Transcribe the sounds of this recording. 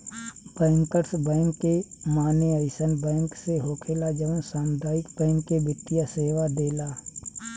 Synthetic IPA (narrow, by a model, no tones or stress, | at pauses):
b̥ɛ̃ːŋkəɾsbɛ̃ːŋkːemaːneəɪsənbɛ̃ːŋkseɦoːkʰelad͡ʒəʋə̃saːmd̪aːɪkbɛ̃ːŋkːebɪʈ̪ːijaseːʋad̪eːlaː